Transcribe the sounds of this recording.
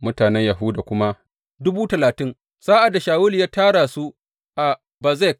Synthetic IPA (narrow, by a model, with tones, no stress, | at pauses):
mʊ˦taː˨nɛ˦ɲja˨ɦʊ˦daː˨kʷʊ˦ma˦ | dʊ˦buː˦tɐ˨laː˨tɪ˦ŋ | saː˦ʔa˨da˨ʃaː˨wʊ˦ljaː˦taː˦ɽaː˨su˦ | ʔa˨ | ba˨zɛ˦˨k̚